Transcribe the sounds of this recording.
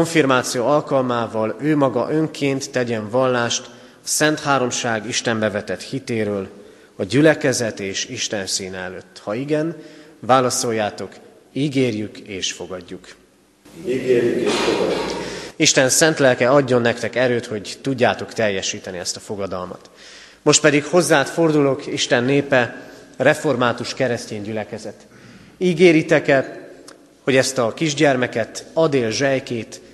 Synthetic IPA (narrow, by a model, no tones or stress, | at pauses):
oɱfirmaːt̪sijoːɒlkɒlmaːvɒløːmɒɡɒ̰ʔø̞ŋkʰeːnt̪ːɛɟɛɱvɒlːaːʃt̪ | ɒsɛnt̪haːɾo̞mʃaːɡiʃt̪ɛmbɛvɛt̪ɛt̪hit̪eːɾøːl | ɒɟylɛkɛzɛt̪eːʃiʃt̪ɛnsiːnɛɛløːt̪ːhɒiɡɛnvaːlɒso̞jːaːt̪o̞k | iːɡeːrjykeːʃfo̞ɡɒɟːuk | iɡeːɾjykeʃfoɡuiʃt̪ɛnsɛnt̪lɛlkɛɒɟːo̞nːɛkt̪ɛkɛɾøːt̪ho̞ɟt̪uɟːaːt̪o̞kt̪ɛjːɛʃiːt̪ɛniɛst̪ɒfo̞ɡɒd̪ɒ̰lmɒ̰t̪ | mo̞ʃt̪pɛd̪ikho̞zːaːt̪fo̞rd̪ulo̞kiʃt̪ɛnːeːpɛrɛfo̞rmaːt̪uʃkɛɾɛsceːɲɟylɛkɛzɛt̪ | iːɡeːɾit̪ɛkɛ | ho̞ɟɛst̪ɒkiʒɟɛrmɛkɛt̪ɒd̪eːlʒɛjkeːt̪